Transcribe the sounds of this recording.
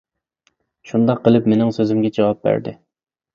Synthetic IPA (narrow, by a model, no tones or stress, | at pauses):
ʃund̪ɑqʰːəlˠɨpmenɪŋsøzɪmɡʲɛd͡ʒɑwɑp̚bæ̰ɾd̪ɪ̰